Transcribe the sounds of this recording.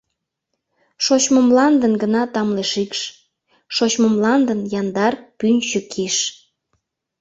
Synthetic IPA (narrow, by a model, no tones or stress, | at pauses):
ʃot͡ɕməmlɑnd̪ənɡənɑt̪ɑmleʃikʃ | ʃot͡ɕməmlɑnd̪ənjɑnd̪ɑrpynt͡ɕəkʰiʃ